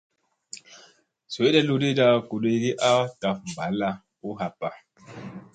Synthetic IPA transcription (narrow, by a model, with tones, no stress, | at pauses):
so˨e˦dɛ˦lu˦de˦da˦˨ku˨le˦ɡi˦ʔa˦ta˨fm̩˨ba˨˦la˦ | u˦ɦa˨pːa˨